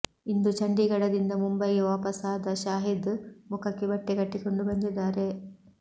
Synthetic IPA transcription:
ind̪ut͡ʃɐɳɖiɡɐɽɐd̪ind̪ɐmumbɐjʋaːpɐsaːd̪ɐʃaːɦid̪mukʰɐkːebɐʈːekɐʈːiko̞ɳɖubɐnd̪id̪ːaːɾe

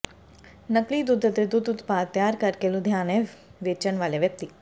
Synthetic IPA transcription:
nɐklid̪ʊd̪ʱət̪ɾed̪ʊd̪ʊt̪paːt̪ːjaːɾkɐɾkeːlud̪ʱjaːneʋeːt͡ʃənʋaːleʋjɐk̚t̪i

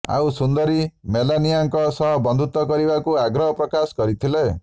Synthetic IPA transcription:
a̰wsund̪ɔɾimelanijaŋkɔsɔɦɔbɔnd̪ʱut̪ɔkɔɾibakuaɡɾɔɦɔpɾɔkasɔ̥kɔɾit̪ʰile

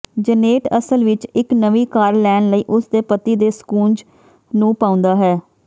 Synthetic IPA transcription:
d͡ʒəneːʈəsəlʋɪt͡ʃɪknəʋiːkaːɾlɛːnləiːʔʊsd̪eːpət̪iːd̪eːskuːnd͡ʒ | nũːpãːʊ̃nd̪aːɦɛː

